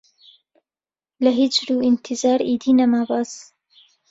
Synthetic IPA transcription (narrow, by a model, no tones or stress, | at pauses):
lɐɦit͡ʃɾuːint̪ʰizɑːɾiːd̪iːnɐmaːbɑːs